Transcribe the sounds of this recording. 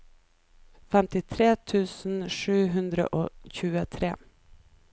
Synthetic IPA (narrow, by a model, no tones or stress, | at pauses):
fɛmt̪ɪt̪ʰɾeːt̪ʰʉːsn̩ʂʉːɦɵnd̪ɾə̰ʔoːçʉːət̪ʰɾḛː